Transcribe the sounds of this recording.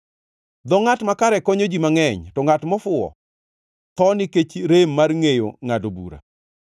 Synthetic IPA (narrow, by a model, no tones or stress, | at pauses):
d̪ɔŋatmakaɾɛkɔɲod͡ʒimaŋɛɲtɔŋatmɔfʊɔ̰ | t̪ɔniket͡ʃɾemːarŋejo̰ŋadobṵɾa̰